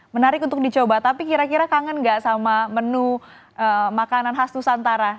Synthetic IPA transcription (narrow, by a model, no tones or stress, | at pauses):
mənaɾɪkunt̪ʊk̚dit͡ʃobat̪apikiɾakiɾakaŋənŋɡaʔsamamənu | ʔəmakananɦast̪usant̪aɾa